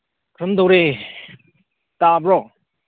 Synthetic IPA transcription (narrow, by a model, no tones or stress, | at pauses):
kʰɾɯmd̪owɾe | tabɾɔ